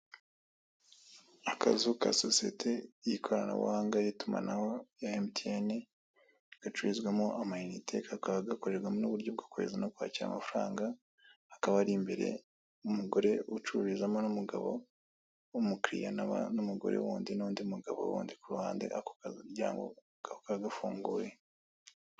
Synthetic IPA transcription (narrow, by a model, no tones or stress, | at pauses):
akʰa̰zuka̰sosie̞̰tʰe̞jikʰo̞ɾana̰wṵhaːŋɡaɾituma̰nahojaemtiene | ɡ̥at͡ʃuɾizɡwemoʔamajinitʰe̞kakaβaɡakoɾeɡwamonuβuɾɟo̞b̚ɡḁkoβḛzanokwaːciɾa̰mafuɾaːŋɡaː | kaβaɾimbe̞ɾe̞̰ | umuɡo̞ɾe̞ut͡ʃuβizamonumuɡaβo̞̰ | umukɾḭjanaβa̰numuɡo̞̰ɾe̞̰wuːndinoːndiumuɡaβo̰wṵːndikuɾuhaːndḛako̥ɟa̰ːŋɡo̰ | ɡahokaɡafuːŋɡuːje̞